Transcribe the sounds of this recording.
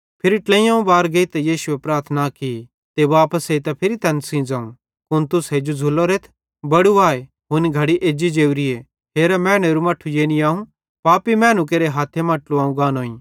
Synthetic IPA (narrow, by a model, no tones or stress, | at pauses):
pʰɪɾiʈlẽːjãũbaːɾɡeit̪ɐjiːsʊepɾaːɾt̪ʰnaki | t̪eʋaːpəseit̪ɐpʰɪɾit̪ɐnsĩːd͡zãːũ | kʊnt̪ʊsed͡ʒod͡zʱʊlːoɾeːt̪ʰ | bɐɽuaːe | ɦʊniɡʱɐɽiʔeːd͡ʒid͡ʒeːuɾie | ɦeːɾamɛ̃ːɽ̃eɾumɐʈʰːujeːniaːũ | paːpimɛ̃ːnũk̬eːɾeɦaːt̪ʰːemãːʈluaːũɡãːnoːĩ